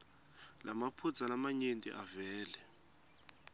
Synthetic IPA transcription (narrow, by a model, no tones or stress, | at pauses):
lʔamapʰu̥d͡zalamaɲentʼḭʔavɛːlɛ